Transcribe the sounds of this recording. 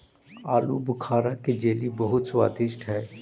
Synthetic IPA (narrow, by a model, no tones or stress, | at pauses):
aːlṵbʊkʰaːɾaked͡ʒeːlibɐɦʊt̪swaːd̪ɪʃʈɦɛː